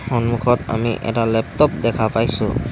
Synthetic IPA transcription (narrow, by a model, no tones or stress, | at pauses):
hɔnmukʰɔta̰miʔɛ̰talɛp̚tɔp̚dɛkʰapajsṵ